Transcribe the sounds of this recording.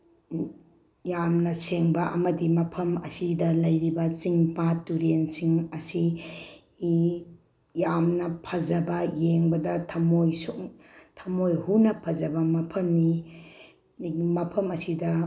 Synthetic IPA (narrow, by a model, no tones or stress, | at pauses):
jamnɐseŋbɐʔɐmɐdimɐpʰɐmɐsidɐlɐjɾibɐt͡ʃiŋpatuɾensiŋɐsi | jamnɐpʰɐzɐbɐjeŋbɐdɐtʰɐmojsuŋtʰɐmojhunɐpʰɐzɐbɐmɐpʰɐmni | mɐpʰɐmɐsidɐ